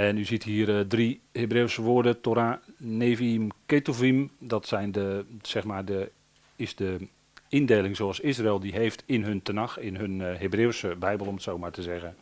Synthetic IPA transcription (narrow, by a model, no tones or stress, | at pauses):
ɛnyzitɦiːərdrihebrewsəʋoːdətoɾaneːvimketofimdɔtsɛjndəsɛxmaːrdə | ɪsdə | ɪndejlɪŋzowasɪs̬raelˠdiɦejftɪnɦɵntənaxɪnønɦebrewsəbɛjbəlˠɔmətsowmaɹtəzɛɣən